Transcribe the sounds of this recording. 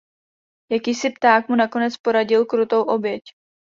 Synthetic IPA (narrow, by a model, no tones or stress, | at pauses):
jakiːsɪpt̪aːkmunako̞nɛt͡spo̞ɾaɟɪlkɾut̪o̞wʔo̞bjɛc